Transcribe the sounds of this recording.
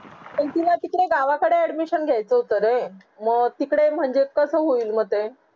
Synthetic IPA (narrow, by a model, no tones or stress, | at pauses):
mət̪ilat̪ikɽeɡaʋakəɽeæɽmiɕənɡʱjajt͡səɦut̪əɾe | məɡt̪ikɽem̤əɳd͡ʑekəsəɦoiːlməɡt̪e